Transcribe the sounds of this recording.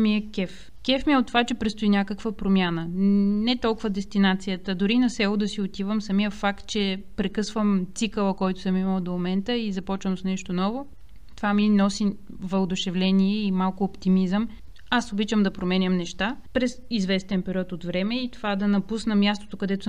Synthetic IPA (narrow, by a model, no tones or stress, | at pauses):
miəkʲɛf | kʲɛfmiɛʊt̪ːovat͡ʃɛpɾɛt̪st̪ʊinʲakəkvəpɾomʲjanənɛt̪ɔlˠkʊvəd̪ɛst̪inat̪sijət̪əd̪ʊɾinɐsɛlˠʊd̪ɐsiot̪ivəmsɐmijəfakt̪̚t͡ʃɛpɾɛkɤsvəmt̪sikəlˠəkɔjt̪ʊ̥səmiməlˠd̪omomɛnt̪əizɐpɔt͡ʃvəmsnɛʃt̪onɔvʊ | t̪ovaminɔsi | vɐlˠd̪ʊʃɛvlɛniɛimalˠkʊːpt̪imizəm | asobit͡ʃəmd̪ɐpɾomɛnʲəmnɛʃt̪apɾɛsizvɛst̪ɛnpɛɾiɔt̪ot̪vɾɛmɛit̪ovad̪ɐnɐpusnɐmjast̪o̥t̪okɐd̪ɛt̪ʊ